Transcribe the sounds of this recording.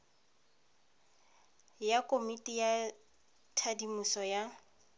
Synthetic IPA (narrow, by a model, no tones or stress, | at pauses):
jakʼomitʼija | tʰadimusɔja